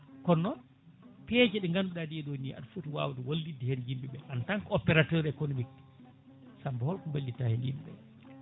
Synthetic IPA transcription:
kɔnːɔ | pɛd͡ʒɛɗɛŋɡanduɗadiɛɗoniʔa̰dfutiwa̰wdɛwolːidːɛhɛnd͡ʒimbiɓɛʔantaŋkɔpɛɾatɔɾɛkonomik | sambɔhɔlkɔbalːitahɛndimbɛ̰

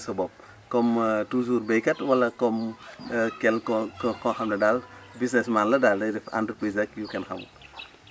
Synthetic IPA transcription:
sɔbɔp̚ | kɔmtuzuɾbejkɐtwɐlːɐkɔm | kɛlkɔkɔhɐmnɐdalbisnɛsmanlɐdaːldɐifa̰ndəɾplizɐkjukɛnhɐ̰mṵ

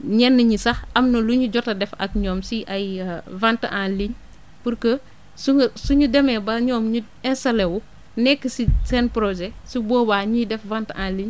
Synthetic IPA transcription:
ɲɛnːɐɲisɐxɐmnɐluɲuɟɔtɐdɛfɐ̰k̚ɲɔːmsiʔɐjvantɐʔaːnliɲ | puɾkə | suŋsuɲudɛmɛbɐɲɔːmɲu | ɛnsɐlewu | nɛkːəsisɛnpɾoʒɛsibɔːbaːɲiːdɛfvantãnliɲ

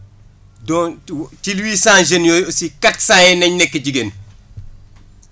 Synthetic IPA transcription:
dɔtilwiːsãːnʒenjɔjsikaksãːjɛnɐɲnɛkːəɟiɡen

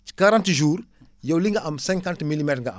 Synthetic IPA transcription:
t͡ʃi̥kaɾãntʒuːɾjɐwliŋɡaʔamsɛ̃ŋkãntmilimɛtɾŋɡaa̰

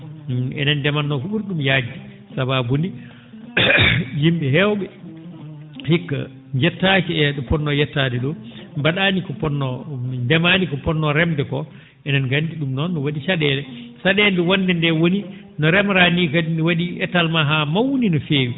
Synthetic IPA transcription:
ɛ̰nandɛmanːɔkɔɓuɾɗumjaːd͡ʒːi | sababundi | jimɓɛɦɛwɓɛ | hikːa̰ | ɲd͡ʒɛtːat͡ʃiɛɗɔpɔnːɔjɛtːadɛɗɔmbaɗaːnikɔpɔnːɔndɛmanikɔpɔnːɔɾɛmdɛkɔ | ʔɛnanɡandiɗumnɔnːɔwaɗiʃaɗɛlɛsaɗɛndɛwandɛndɛwoni | nɔɾɛmɾanikainwaɗiɛtːalmaɦamawninɔfeːwi

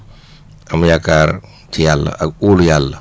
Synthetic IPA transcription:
amjakaɾ | t̪ʰijal̰auljalː

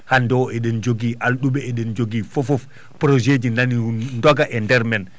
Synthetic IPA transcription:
handɔwɛɗɛnd͡ʒoɡiʔalɗuɓɛɛɗɛnd͡ʒoɡifofɔf | pɾod͡ʒed͡ʒinanindɔɡaʔɛndɛɾmɛn

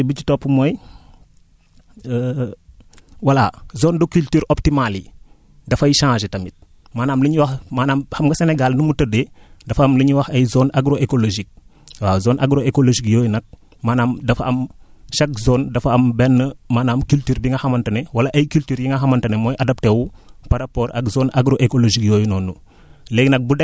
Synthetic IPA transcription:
bit͡ʃutɔpːmoːj | wɐlazoːndokyltyːɾoptimali | dɐfɐjiʃãːʃetɐmit̚ | maːnaːmliɲiwɐxmaːnaːmhɐmɡɐseneɡalnumutɐdedɐfɐmliɲiwɐxɐjzoːnaɡɾoʔekoloʒik̚ | waːzoːnʔaɡɾoekoloʒikjoːjnɐk̚ | maːnaːmdɐfaɐmʃɐk̚zoːndɐfɐɐmbɛnːəmaːnaːmkyltyːɾbiŋɡɐxɐmɐntɐnewɐlɐʔɐjkyltyːɾjiŋɡɐɦɐmɐntɐnemoːjʔɐdɐp̚tewupaɾapoːɾɐ̰kzoːnaɡɾoʔekoloʒikjoːjnɔːnːu | leɡnɐk̚budɛ

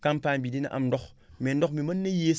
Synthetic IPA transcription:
kampanbidinɐ̰ʔa̰mndokmendok̚mimɐnːɐjes

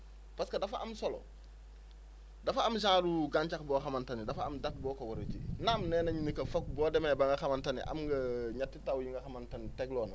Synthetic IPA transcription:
paskɐdɐfɐʔɐmsɔlɔ̰ | dɐfɐːms̬ãŋluɡaɲt͡ʃakbɔːxɐmɐntɐnidɐfɐɐmdɐk̚bɔːkɐwɐɾet͡ʃḭnamnɛːnɐɲinikɐfɔk̚bɔːdɛmɛbɐŋɡɐxɐmɐntɐnḭʔɐ̰mŋɡɐɲatːitawjiŋɡɐxɐmɐntɐnitɛɡlɔːnɐ

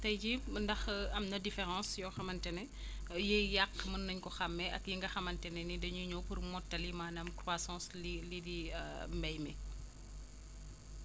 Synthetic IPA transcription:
tɐjd͡ʒiməndɐxɐmnɐdifɛɾɑ̃ːsjɔxɐmɐntɛnɛ | jəjakːmɐnːɐɲkɔxɐmːɛʔɐkjiŋɡɐxɐmɐntɛnɛnidɐɲuɲopurmɔtːɐlimaːnɐmkɾwaːsɑ̃slilidimbɛjmɛ

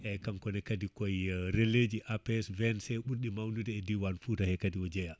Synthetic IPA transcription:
ʔɛkamkɔnɛkadikɔjɾelːed͡ʒiʔapɛsvɛnsɛɓuɾɗimawndudɛɛdiwanfuːtahɛkadiwɔd͡ʒɛja

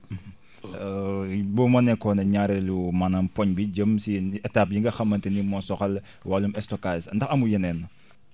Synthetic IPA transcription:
bɔmɐnɛkɔnɐɲaɾɛlumɐnɐmpɔɲbiɟəmsiɛtaːp̚jiŋɡɐxɐmːɐntinimɔsɔxɐl | walumɛstɔkasndɐxɐmujɛnɛnːɐ

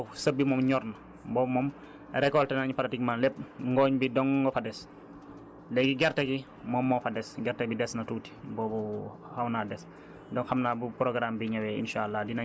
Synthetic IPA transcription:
sɐbːimɔmɲɔɾnɐ | bɔːmɔm | ɾɛkɔltɛnaɲupalatikmanlɛp̚ŋɡɔːɲbidɔŋɡɔfɐdɛs | lɛɡiɡɛɾtɐɡi | mɔːmːɔːfɐdɛsɡɛɾtɐbidɛsnɐtuːti̥bɔːbu | hɐwnaːdɛs | dɔŋxɐmnaːbupɾɔɡɾaːmbiɲɐwɛḭnʃaːlːadina

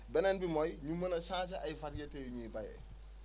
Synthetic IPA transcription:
bɛnɛnbimɔjɲumɐnɐsãːt͡ʃɐʔɐjfɐtjɐteːjɲiːbɐjɛ̰

